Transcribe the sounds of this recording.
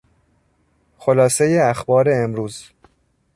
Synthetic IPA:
xolɒːse̞jeæxbɒːɾe̞ːmɾuːz

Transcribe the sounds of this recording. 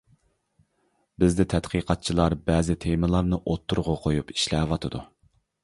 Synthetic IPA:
bɪzd̪ɪt̪ʰɛt̪qʰiqʰɑt̪̚t͡ʃʰilˠɑɾbɛːzɪt̪ʰemɨlˠɑɾnɨʔot̪ʰːuɾʁɑqʰojupi̥ʃlɛːwɑt̪ʰɨd̪u

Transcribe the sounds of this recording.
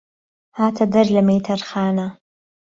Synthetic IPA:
haːt̪ʰɐd̪ɐɾlɐmejt̪ʰɐɾxaːna

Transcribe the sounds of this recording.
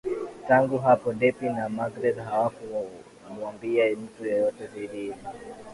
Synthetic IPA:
taŋɡuɦapɔndɛpinamaɡɾɛdɦawaku | muambiam̩tujɔjɔtɛziɗii

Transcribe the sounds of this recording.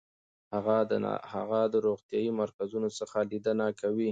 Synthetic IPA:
haɣad̪̰ha̰ɣad̪əɾoɣt̪jɑjimaɾkazunosəxalid̪ənakawi

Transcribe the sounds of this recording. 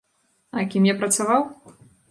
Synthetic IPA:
ɐkʲimjapɾɐt̪savaw

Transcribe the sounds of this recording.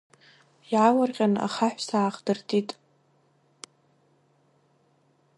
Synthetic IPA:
jʕawarqʲʼana̰χaħʷsaːχdɨrtʼitʼ

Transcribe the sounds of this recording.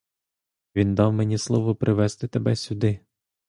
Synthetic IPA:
ʋʲind̪ɑwmenʲislˠɔʋɔpɾʔɪʋɛst̪ɪt̪ebɛsʲʊd̪ɪ

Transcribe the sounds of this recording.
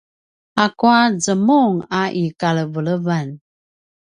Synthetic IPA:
akuazəmuŋaʔikaləvəɭəvan

